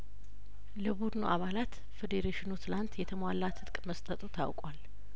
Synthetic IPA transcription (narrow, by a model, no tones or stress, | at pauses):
ləbud̪no̰ʔaβalat̪ | fed̪eɾeʃɪnut̪ʰɨlant̪jɛt̪ʰəmwalːat̪ʰɨt̪kʼməst̪ʼət̪ʼut̪ʰa̰wkʼwal